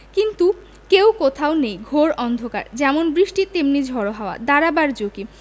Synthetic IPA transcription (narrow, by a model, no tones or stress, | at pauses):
kint̪u | kewkot̪ʰaonejɡʱoɾɔnd̪ʱoka̰ɾd͡ʑɛmonbɾiʃʈit̪emnid͡ʑʱɔɾoɦaoa̰d̪aɾabaɾd͡ʑoke